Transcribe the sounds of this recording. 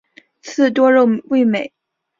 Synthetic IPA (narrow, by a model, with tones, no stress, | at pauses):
t͡sʰɹ̩˥˩t̪wɔ˥ɻo˥˧ʊwe˥˩ɪme˨˩˦ɪ